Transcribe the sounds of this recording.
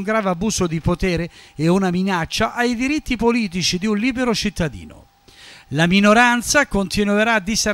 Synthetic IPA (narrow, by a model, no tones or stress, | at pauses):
ŋɡɾaːvabuːsod̪ipot̪ɛːɾeeunaminat͡ʃːaʔajd̪iɾit̪ːipoliːt̪̬it͡ʃid̪iunliːbeɾot͡ʃit̪ːad̪ḭːno̰ | laminoɾant̪sakont̪inweɾaːd̪ise